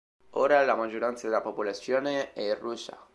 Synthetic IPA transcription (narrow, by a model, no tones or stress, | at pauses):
oːɾalamad͡ʒːoɾant̪sad̪elːapopolat̪sːjoːneɛirːusa̰